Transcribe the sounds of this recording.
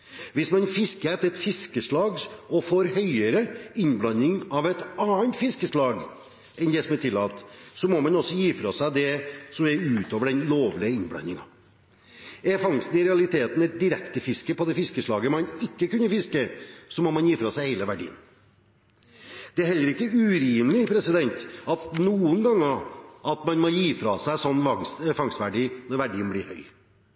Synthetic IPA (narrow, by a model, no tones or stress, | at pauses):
ʋɪsmɑnfɪskəɛt̪əɾɛt̪fɪskəʂlɑːɡɔfoɾhœʏəɾəɪnblɑnːɪŋɑʋɛɪt̪ɑːənt̪fɪskəʂlɑːɡ | ɛnd̪ɛsɔmɛʈ̪ʰɪlːɑ̰ːlt̪sɔmɔmɑnɔsːɔjiːfɾɑsæɪd̪ɛsɔmɛɾʉːt̪oːʋəɖɛnloːʋlɪəɪnblɑ̰nːɪŋɑ̰ | ɛɾfɑŋst̪n̩ɪɾɛɑlɪt̪ʰeːt̪n̩ɛt̪̚d̪ɪɾɛkt̪əfɪskəpɔd̪ɛfɪskəʂlɑːɡəmɑnɪkːəkʉnːəfɪskəsɔmɔmɑnjiːfɾɑsæɪhæɪləʋæɖḭːə̰n | d̪̥ɛæɾhɛlːəɾɪkːəʉɾiːmlɪpʰɾɛsɪd̪ɛnt̪ɑt̪nuːənɡɑŋːəɑt̪mɑnmɔjiːfɾɑsæɪsɔnːʋɑŋsfɑŋst̪ʋæɖiːnɔɾʋæɖiːənblɪɾhœʏ